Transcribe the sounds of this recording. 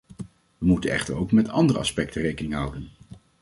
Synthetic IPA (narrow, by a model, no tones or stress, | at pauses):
ʋəmutənɛ̰χtəɹowkmɛtʰɑ̰ndərəɑspɛk̚tərejkənɪŋɦɑwdən